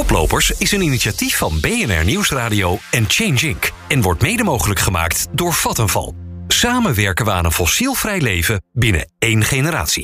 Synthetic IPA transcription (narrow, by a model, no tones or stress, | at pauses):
ɔplo̰wpəɹsɪsəniniʃatifːɑnbejɛnɛ̰ɹniwsraːdiowɛnt͡ʃejnd͡ʒɪŋk | ɛnʋɔɹtmejdəmowχələkχəma̰ːktdʊːɹv̥ɑtənvɑ̰lˠsaːmənʋɛɹkənʋəa̰ːnənfɔsilˠvrɛjlejvəbɪnə̰ejnχenəɾa̰ːtsḭ